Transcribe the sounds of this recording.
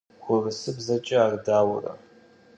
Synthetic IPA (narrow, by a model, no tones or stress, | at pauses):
xʷʊrɨsɨbzɐt͡ʃʼɪaːrdaːwʊ̰rɐ̰